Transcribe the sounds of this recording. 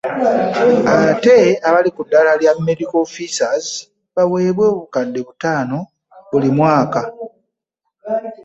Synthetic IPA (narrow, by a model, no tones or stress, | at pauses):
aβte̞aβalikudːalaljamːe̞dikofisazi | βawe̞ːβwo̞ːβukadːe̞βutaːno̞ | βulimwaːka